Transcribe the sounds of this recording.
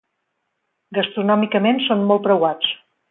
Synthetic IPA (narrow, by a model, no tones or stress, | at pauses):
ɡəst̪ɾunɔmikəmensonmolˠt̪pɾəwat͡s